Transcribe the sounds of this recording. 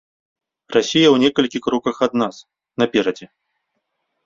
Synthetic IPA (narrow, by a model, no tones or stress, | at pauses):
rasʲijɐwnʲɛkɐlʲkʲixɾɔkɐxad̪nas | nɐpʲɛɾɐd͡zʲɛ